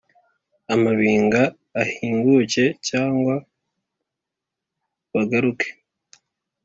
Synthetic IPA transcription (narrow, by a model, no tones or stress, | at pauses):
amaβiːŋɡaː | hiːŋɡuce̞caːŋɡwa | βaɡaɾuke̥